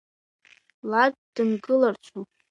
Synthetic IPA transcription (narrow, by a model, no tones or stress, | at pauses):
lad̚d̥ɨnɡɨlart͡ʃʷʰu